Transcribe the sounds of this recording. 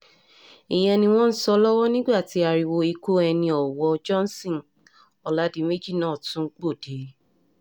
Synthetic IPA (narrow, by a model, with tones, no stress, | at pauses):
ĩ˨j̃ɛ̃˧nĩ˧w̃ɔ̃˦n̩˦sɔ˧lɔ˦wɔ˦nĩ˦ɡ͡ba˦˨ti˨˦a˧ɾi˧wo˧i˧ku˦ɛ˧nĩ˧ɔ˨wɔ˧d͡ʒɔ˦n˦sĩ˦˨ | ɔ˨la˨˦di˧˦me˦d͡ʒi˦˨nãː˨˦˨tũ˨˦k͡po˦˨d̥e˨˦